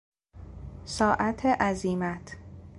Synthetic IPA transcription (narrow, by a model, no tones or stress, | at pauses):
sɒːʔæt̪ʰeʔæziːmæt̪ʰ